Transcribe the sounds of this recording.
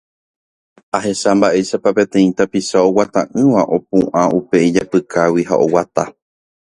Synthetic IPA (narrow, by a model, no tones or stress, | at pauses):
aɦe̞ʃambaʔe̞ʃapape̞t̪ẽ̞ĩt̪apiʃao̞wat̪ãʔɨ̃ʋaʔo̞p̚ũʔãʔupe̞id͡ʒapɨkʰawiɦa̰ʔo̞wat̪a